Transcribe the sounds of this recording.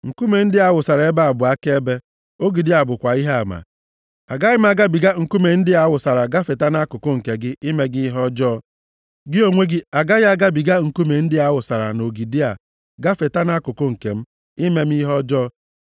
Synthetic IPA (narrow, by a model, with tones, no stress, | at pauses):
ŋ̩˨ku˦me˨n̩˦dɪ˦a˦wʊ˨sa˨ɾa˨e˦ba˦a˨bʊ˨a˦ke˦e˦be˦ | o˦ɡi˨di˦a˨bʊ˨kʷa˨i˦ɦa˨ma̰˨ | a˨ɡa˦ɣɪ˦m̩˦a˦ɡa˦bi˨ɡa˦ŋ̩˨ku˦me˨n̩˦dɪ˦a˦wʊ˨sa˨ɾa˨ɡa˦fe˨ta˦na˦kʊ˨kʊ˦ŋ̩˨ke˨ɡɪ˦ʔi˦me˦ɡɪ˦i˦ɦɔ˦d͡ʒɔː˦ | ɡɪ˦o˨ŋʷe˦ɡɪ˦a˨ɡa˦ɣa˦ɡa˦bi˨ɡa˦ŋ̩˨ku˦me˨n̩˦dɪ˦a˦wʊ˨sa˨ɾa̰˨no˨ɡi˨di˦a˨ | ɡa˦fe˨ta˦na˦kʊ˨kʊ˦ŋ̩˨ke˨m̩˦ | i˦me˦m̩˦i˦ɦɔ˦d͡ʒɔː˦